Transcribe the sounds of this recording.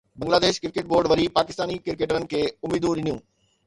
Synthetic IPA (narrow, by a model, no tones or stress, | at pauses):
bɐ̃ŋɡlaːd̪eːʃkɪɾkeːʈ̚boːɾɖʋɐɾipaːkɪst̪aːnikɪɾkeːʈənɪ̆kʰeːʊmiːd̪ũɗɪnijũː